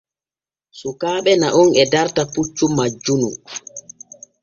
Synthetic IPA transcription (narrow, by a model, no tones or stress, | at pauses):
sukaːɓɛnaʔunɛdaɾtaput͡ʃːumad͡ʒːunṵ